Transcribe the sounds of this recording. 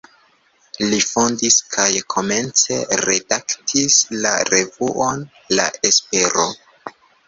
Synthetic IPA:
lifondiskʰajkʰo̞me̞nt͡se̞ɾe̞daktʰislaɾe̞vuʔo̞n | la̰e̞spe̞ɾo̞

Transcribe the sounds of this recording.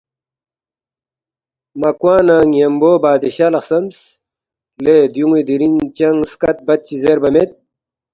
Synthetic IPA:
mɐkwaːnaːŋjɐmboːbaːd̪iɕaːlɐxsɐms | led̪juŋwid̪iɾiŋt͡ɕɐŋskɐt̪̚bɐt̪̚t͡ɕizeɾbɐmet̪̚

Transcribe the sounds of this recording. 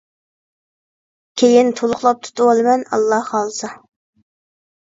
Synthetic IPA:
kʲʰejint̪ʰolˠʊχlˠɑp̚t̪ʰu̥t̪ʰʊɑlˠɨmɛnɑ̰lˠːɑhχɑlˠsɑ

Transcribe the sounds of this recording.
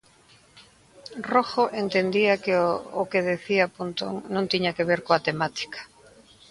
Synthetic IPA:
roxoʔent̪end̪iɐkɪokeð̞eθiɐpunt̪o̰ŋnõnt̪iɲakeβeɾkoat̪emat̪i̥kḁ

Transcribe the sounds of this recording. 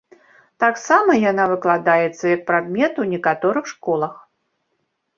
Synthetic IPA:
t̪aksamɐjanavɨklˠad̪ajɛt̪sːɐjɐk̚pɾad̪mʲɛt̪uwnʲɛkat̪ɔɾɨxʂkɔlˠɐx

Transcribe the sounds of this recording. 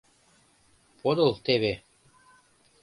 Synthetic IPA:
pʰod̪ɤ̆lˠt̪eβe

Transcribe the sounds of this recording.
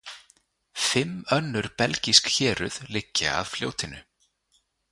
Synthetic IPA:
fɪmœnːʏɾ̥pɛlciskçɛːɾʏð̥lɪcːaa̰ðfljo̰ːwt̪ʰɪnʏ

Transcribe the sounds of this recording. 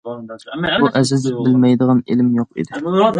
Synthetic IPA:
buʔɛzɪzɪbɪlmɛjd̪əʁɑnelɪmjoqḭd̪ɪ

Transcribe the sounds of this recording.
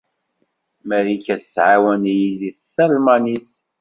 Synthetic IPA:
mæɾikæθəsʕawænjiliθθəlmænis

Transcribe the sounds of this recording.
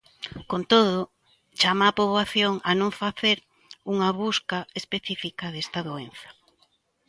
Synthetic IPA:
kont̪oðʊ | t͡ʃamaːpoβlaθjoŋɐnõɱfaθeɾ | uŋɐβuskaespeθifikɐðest̪ɐðoenθɐ̥

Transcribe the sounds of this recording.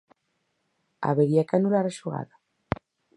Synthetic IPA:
a̰βeɾiakanulaɾaʃuɣa̰ða

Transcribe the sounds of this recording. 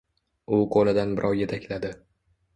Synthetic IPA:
ʊqʰolɪd̪anbɪɾʔɒwje̞t̪ʰakʲlad̪ɪ

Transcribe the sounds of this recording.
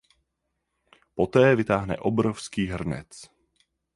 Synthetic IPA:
pot̪ɛːvɪt̪aːɦnɛ̰ʔobɾofskiːɦr̩nɛ̰t͡s

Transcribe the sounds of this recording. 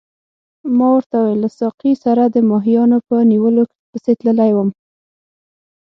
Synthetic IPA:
mɑwəɾt̪awejlːasɑqisaɾad̪əmɑɦijɑnopəniwəlok | pəset̪ləlajwəm

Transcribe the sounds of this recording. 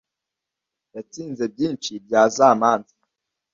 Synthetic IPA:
jat͡siːnzebjiːnt͡ʃibjaːzamaːnzi

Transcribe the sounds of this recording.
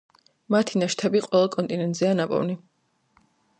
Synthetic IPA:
mat̪ʰinaʃt̪ʰɛbiqʼwɛlɛlˠkʼɔnt̪ʼinɛnt̪ʼz̥ianapʼɔ̰vni

